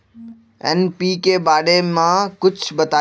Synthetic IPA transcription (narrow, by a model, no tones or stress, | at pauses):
ɛ̰npiːkebaːɽemãkʊt͡ʃʰbɐt̪aː